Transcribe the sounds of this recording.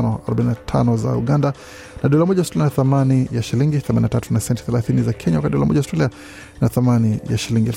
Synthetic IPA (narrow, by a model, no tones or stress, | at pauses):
nɔaɾɔbaninatʰa̰nɔza̰ṵɠanda | naɗɔlamɔʄaustɾalianaθamanijaʃiliŋɡiθɛmaninatatunasɛntɛ̥θɛlaθinizakʰɛɲawakatiɗɔlamɔ̰ʄaustɾalia | naθamanija̰ʃiliŋɡialf